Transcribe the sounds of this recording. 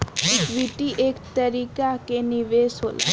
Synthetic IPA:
ɪkʋiʈiʔeːkt̪əɾiːkakenɪʋeːsɦo̰ːla̰

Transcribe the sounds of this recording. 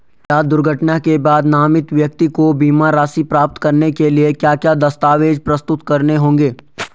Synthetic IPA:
kjaːd̪ʊɾɡʱəʈnakebaːd̪naːmɪt̪ʋjək̚t̪ikobiːmaɾaːsipɾaːp̚t̪kɐɾnekeliekjaːkjaːd̪ɐst̪aːʋeːd͡ʒpɾɐst̪ʊt̪kɐɾneɦõːŋ̆ɡeː

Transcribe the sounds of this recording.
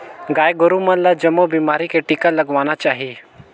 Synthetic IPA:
ɡaːjɡʊɾumãlad͡ʒɐmobiːmaːɾikeʈikalɐɡʋaːnat͡ʃaːɦie

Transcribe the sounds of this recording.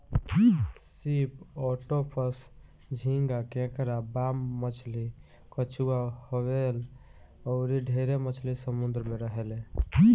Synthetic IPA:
sipɔʈopʰəs | d͡ʒʱĩŋɡakẽkɾabamːət͡ʃʰli | kət͡ʃʰuahoβel | ɔɾiɖʱeɾemət͡ʃʰlisəmund̪ɾəmeɾəɦele

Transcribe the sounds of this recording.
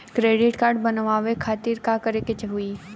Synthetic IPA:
kɾeːɖɪʈkaːɾɖbɐnʋaːʋekʰaːt̪iɾkakəɾeket͡ʃəɦʊi

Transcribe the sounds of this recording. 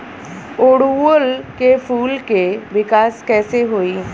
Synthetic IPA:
oɽʋolkefuːlkeʋɪkaskɛːseɦoi

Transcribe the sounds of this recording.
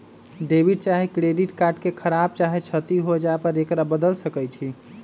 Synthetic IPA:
ɖebʱiɖt͡ʃaɦikɾeɖiʈkaɾʈkekʰəɾab̚t͡ʃaɦit͡ʃʰət̪iɦod͡ʒaepəɾekɾabəd̪əlsəkət͡ʃʰi

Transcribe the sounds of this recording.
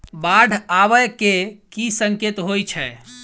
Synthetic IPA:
baɖʱaβəjkekisəŋket̪ɦojt͡ʃʰɛ

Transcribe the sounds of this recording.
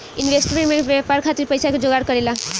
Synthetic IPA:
inbʱesʈɾemeɳbapaɾkʰat̪iɾpʌjsakod͡ʒoɡaɾkʌɾela

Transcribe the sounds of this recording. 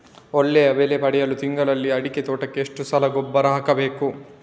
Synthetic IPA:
oɭːejɐʋeːlepɐɽɛjɐlut̪iŋɡɐɭɐlːiɐɽiket̪oːʈɐkːeːʂʈusɐlɐɡɔbːɐɾɐɦɐkɐbe̞ːku

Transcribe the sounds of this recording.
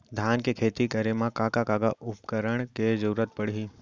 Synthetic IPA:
d̪ʱjaːnkekʰeːt̪ikɐɾemãkaːkakaːɡaʔʊpkəɾəɳ̃ked͡ʒɐɾuːɾət̪̚pəɽ̤iiː

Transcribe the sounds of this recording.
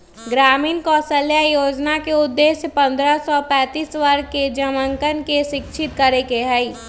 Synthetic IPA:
ɡɾaːmiːnkɔːsəljajoːd͡ʒnakeʊd̪ːeːʃjpɐ̃nd̪ɾəsɔpɛ̃ːt̪iːswəɾked͡ʒəmə̃ŋkənkeʃɪkʃʰɪt̪kəɾekeɦɛi

